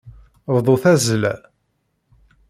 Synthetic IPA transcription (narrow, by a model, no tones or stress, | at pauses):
vðˤoθæzəlæ